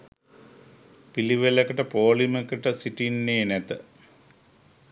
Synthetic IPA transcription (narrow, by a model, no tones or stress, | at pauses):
piliʋelekːɐʈɐpoːɭimekːɐʈɐsiʈinːeːnet̪ɨ